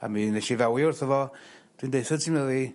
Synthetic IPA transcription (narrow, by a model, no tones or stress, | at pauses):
a̰mineʃivawiʊrθəvɔd̥windejθədtʰiməði